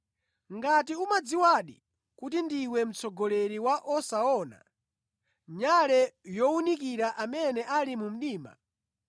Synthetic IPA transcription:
ŋɡatiumad͡ziwaɗḭ | kut̬indiwɛm̩t͡sɔɡɔlɛɾiwaʔɔsaɔna̰ | ɲalɛjɔunik̬iɾaʔamɛnɛʔalimum̩ɗiːma̰

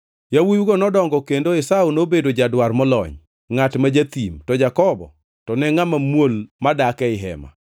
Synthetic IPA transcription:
jawujuɡonɔdɔŋɡɔkendoɪsaunobedod͡ʒadwarmɔlɔ̰ɲ | ŋatmad͡ʒat̪imtɔd͡ʒakɔbɔ̰ | tɔnɛŋamamwolmadakɛɪɦɛ̰ma̰

